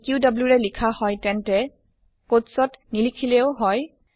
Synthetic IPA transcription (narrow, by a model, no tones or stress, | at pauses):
kjudabluɹɛlikʰahɔjtɛntɛ | kotsɔtnilikʰilɛʊɦɔj